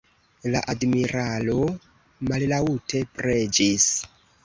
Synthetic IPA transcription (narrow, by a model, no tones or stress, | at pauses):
la̰ʔadmiɾalo̞ | mallawutʰe̞pɾe̞d͡ʒis